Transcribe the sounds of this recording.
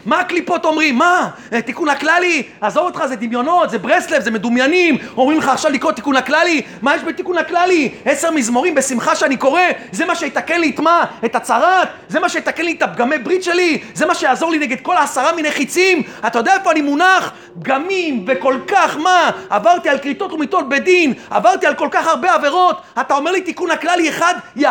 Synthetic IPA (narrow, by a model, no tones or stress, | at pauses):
maːklipo̞t̪o̞mʁimːa | et̪ikunaklaliazo̞ʁot̪χazed̪imjo̞no̞t̪zebʁeslefzeme̞d̪umjanimomʁimleχaːχʃavlikʁot̪ikunaklali | majɛʃbet̪ikunaklalieseʁmizmoʁimbesimχaʃeaniko̞ʁe̞zemaʃejet̪akenlit̪maet̪at͡saʁat̪ | ze̞maʃejet̪akenlit̪ap̚ɡamebʁit̪ʃe̞lizemaʃejaːzo̞ʁlineɡe̞d̪̚ko̞laːsaʁamineχit͡simat̪ajodeaefo̞animunaχ | p̚ɡamimveko̞lkaχmaavaʁt̪ialkʁit̪o̞t̪lumit̪o̞t̪̚be̞d̪ina̰vaʁt̪ialko̞lkaχhaʁbe̞ave̞ʁo̞t̪at̪ao̞me̞ʁlit̪ikunhaklalieχad̪ja